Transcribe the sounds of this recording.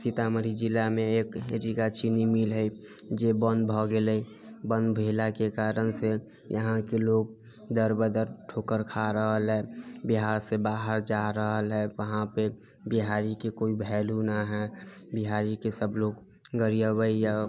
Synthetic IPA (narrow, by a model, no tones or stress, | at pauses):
sit̪aməɾid͡ʒɪlːamẽeːkeɾikat͡ʃinimilɦɛi | d͡ʒebə̃nd̪bʱɔɡeləi | bə̃nd̪bʱelakekaːɾənse | jəɦãkeloːɡ̚ | d̪əɾbəd̪əɾʈʰoːkəɾkʰaɾəɦəlɦɛːbiɦaːɾsebaːɦəɾd͡ʒaɾəɦəlɦɛʋəɦãpe | biɦaːɾikekoibʱɛːlunaɦɛbiɦaːɾikesəbʱloːɡ | ɡəɾijəbəija